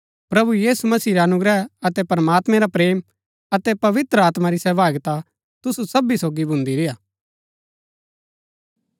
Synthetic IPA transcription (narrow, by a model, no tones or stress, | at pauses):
pɾɐbujiːsumɐsiːɾeɐnʊɡɾɛɐt̪ɛpɐɾəmaːt̪mɛ̃ɾapɾeːm | ɐt̪ɛpɐʋɪt̪ɾəaːt̪maɾisɛʋaːɡt̪a | t̪ʊsusɐbisoːɡibʱʊ̃nd̪iɾɪjaː